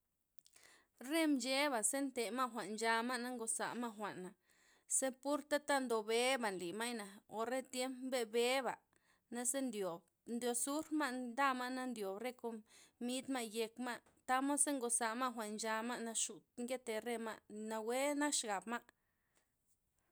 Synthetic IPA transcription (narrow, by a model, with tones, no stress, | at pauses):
ɾe˦md͡ʒe˦βa˨se˦nt̪e˨ma˦xʷa˨ʔnd͡ʒa˧ma˦ʔna˦ŋɡo˨sa̰˨ʔma˦xʷa˨ʔna˨ | se˦pu˦ɾt̪a˦t̪a˦nd̪o˨be˨˦ba˨nli˨ma˦jna˨o˨ɾe˦t̪je˦mpbe˦be˦ba˨ | na˦se˦nd̪jo˨b | nd̪jo˧su˦ɾma˦ʔd̪a˦ma˦na˦nd̪jo˨bɾe˦ko˧mi˦d̪ma˦ʔje˧kma˦ʔ | t̪a˦mo˦se˦ŋɡo˧sa˨ma˦ʔxʷa˨ʔnd͡ʒa˧ma˦ʔna˧ʃu˨t̪ŋɡe˦t̪e˨ɾe˦ma˦na˧we˦na˦kʃɡa˨bma˦ʔ